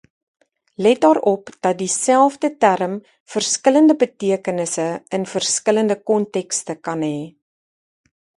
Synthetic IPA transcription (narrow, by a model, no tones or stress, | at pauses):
lɛt̚dɑːɾɔpd̥ɐt̚disælˠfdətærəm | fərskələndəbətiəkənəsəənfərskələndəkɔntɛkstəkɐnɦɛː